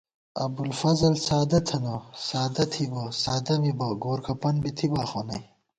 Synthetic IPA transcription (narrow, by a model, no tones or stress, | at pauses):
ɐ̰bulfɐzɐlsaːd̪ɐt̪ʰɐnosaːd̪ɐt̪ʰibosaːd̪ɐmiboɡoːɾkʰɐpɐnbit̪ʰibaːxoːnɐ̰j